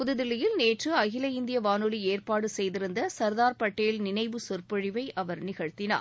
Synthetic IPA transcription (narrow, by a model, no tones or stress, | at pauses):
pʊðɯðɪlɪjɪlneːʈrɯɐɣɪlɐɪnd̪ɪjɐʋaːnɯlieːrpaːɽɯsɛjðɪɾɯnd̪ɐsɐɾðaːɾpɐʈːɐjɪlnɪnɐɪʋɯsʊɾpɐɻɪʋɐɪʔʔɐʋɐɾnɪɣɐɻt̪ːɪna̰ːɾ